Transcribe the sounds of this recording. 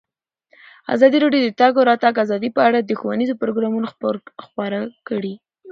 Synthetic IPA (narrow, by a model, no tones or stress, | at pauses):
a̰zɑd̪iɾɑɖjod̪ət̪ɑɡoɾɑt̪aɡazɑd̪ipəaɽad̪əxowanizopɾoɡɾɑmunoxpɑɾakəɽi